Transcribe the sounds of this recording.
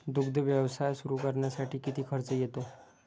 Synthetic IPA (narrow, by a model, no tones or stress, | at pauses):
d̪uɡd̪ʱəʋjəʋsajsuɾukəɾɳjasaʈʰiːkit̪ʰiːkʰəɾt͡səjet̪o